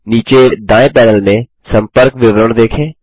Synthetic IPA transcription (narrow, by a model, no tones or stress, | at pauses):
niːt͡ʃed̪ãːẽpɛːnəlmẽ | sə̃mpəɾkʋɪʋɾəɳ̃d̪eːkʰẽː